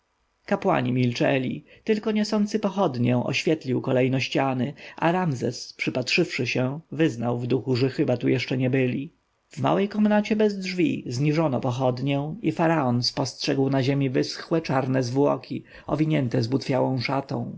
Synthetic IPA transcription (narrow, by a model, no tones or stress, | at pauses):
kapwa̰ɲimʲilt͡ʂɛ̰lʲḭt̪ɘlkɔɲɛsɔnt̪sɘpɔxɔd̪ɲɛ̃ʔɔ̰ɕfʲjɛt̪lʲiwkɔlɛjnɔɕt͡ɕanɘʔa̰ɾamzɛspʂɘpatʂɘfʂɘɕɛvɘznawvd̪uxuʐɛxɘbat̪ujɛʂt͡ʂɛɲɛbɘlʲi | vma̰wɛjkɔmnat͡ɕɛbɛzdʐvʲḭzɲiʐɔnɔpɔxɔd̪ɲɛw̃ifaɾaɔnspɔstʂɛɡwnaʑemʲivɘsxwɛt͡ʂaɾnɛzvwɔ̰kʲʰi | ɔvʲiɲɛnt̪ɛzbut̪fʲjawɔ̃w̃ʂat̪ɔ̰̃w̃